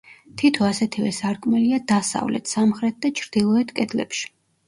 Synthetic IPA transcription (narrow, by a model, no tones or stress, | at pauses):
t̪ʰit̪ʰɔasɛt̪ʰivɛ̰saɾkʼmɛliad̪asa̰vlɛ̰t̪ʰsamχɾɛt̪̚d̪at͡ʃʰɾd̪̥ilˠɔɛt̪ʰkʼɛd̪lɛ̰pʃi̥